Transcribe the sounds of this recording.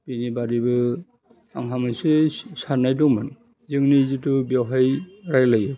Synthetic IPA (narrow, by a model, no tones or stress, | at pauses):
pinibadibɯ | a̰ŋɦamɯsesanajdɔŋmani | zɯŋnizɯtɯbjɔɦajɾajlajɯ